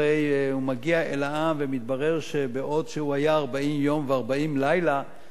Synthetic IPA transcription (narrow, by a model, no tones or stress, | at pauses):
ejumaɡiaʔelaʔamvemit̪̚baʁe̞ʁʃebeʔo̞dʃehuajaːʁbaimjo̞mveaʁbaimlajla